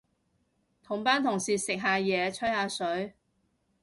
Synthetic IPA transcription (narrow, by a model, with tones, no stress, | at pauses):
t̪ʰʊ˨˩ŋpaː˥nt̪ʰʊ˨˩ŋsiː˨sɪ˨k̚ɦaː˧jɛː˨˧t͡ʃʰɵ˥jhaː˧sɵ˨˥ɥ